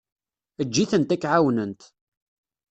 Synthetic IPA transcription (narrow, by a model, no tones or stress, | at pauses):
əd͡ʒːiθənt̪ækːʕawnənt̪